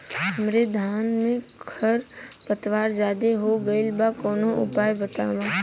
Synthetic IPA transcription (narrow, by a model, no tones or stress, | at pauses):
mɾed̪ʱaːnmẽ | kʰəɾ | pət̪ʋaːɾd͡ʒaːd̪eɦoɡəɪlbakɔːnõʔʊ̰paːjbət̪aːʋãː